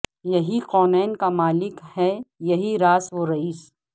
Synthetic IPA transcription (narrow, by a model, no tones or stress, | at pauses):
jɐɦiqɔːnɛːnkamaːlɪkhɛjɐɦiɾaːsʋoɾɐiːs